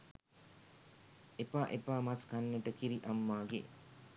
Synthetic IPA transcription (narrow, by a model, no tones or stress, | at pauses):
epaːʔepaːmaskanːeʈəkiɾiʔamːaːɡḛ